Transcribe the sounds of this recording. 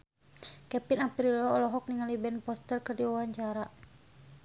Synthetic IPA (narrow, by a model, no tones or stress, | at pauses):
kɛpinapɾilɔːlɔɦɔk̚niŋalibɛnpɔst̪ərkɨrdiwawaɲt͡ʃaɾa